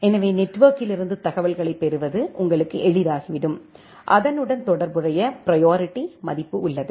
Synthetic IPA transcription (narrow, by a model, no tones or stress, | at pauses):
ɛnɐʋeːnɛʈːʋoːkɪlɪɾɯnd̪ɯt̪ɐɣɐʋɐlɣɐɭɐɪpːɛɾɯʋɐðɯʔʊŋɡɐɭɯkːɯʔɛɻɪðaːɣiʋɪɽɯm | ʔɐ̰ðɐnɯɽɐnt̪ɔɽɐɾbɯrɐjɐpɪɾɐjoːɾɪʈːimɐðɪpːɯʊɭːɐðɯ